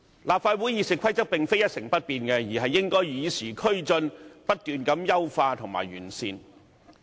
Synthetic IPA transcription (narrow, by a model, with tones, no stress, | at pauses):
laː˨p̚faː˧t̚wu˨˥jiː˨˥sɪ˨kʷʰɐ˥jt͡sɐ˥k̚pɪ˨ŋfe˥jɐ˥t̚sɪ˨˩ŋpɐ˥t̚piː˨nkɛ˧jiː˨˩ɦɐ˨jːɪ˥ŋkɔː˥jiː˨˧siː˨˩kʰɵ˥ɥt͡sɵ˧npɐ˥t̚t̪yː˨nkɐ˨˥mjɐ˥wfaː˧t̪ʰʊ˨˩ŋma̰ː˨jɥyː˨˩nsḭː˧n